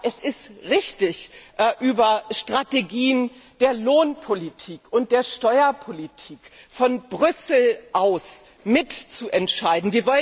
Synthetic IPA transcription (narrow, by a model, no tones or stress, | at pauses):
ʔɛsɪstʁɪçtɪçʔʔyːbɐʃtʁ̥ateɡiːənd̥eːɐloːnpʰolitʰiːkʊnt̚d̥eːɐʃtɔʏɐpʰolitʰiːkfɔnbʁʏsl̩ʔaʊs | mɪtt͡suʔɛntʃaɪdn̩viːɐvɔlə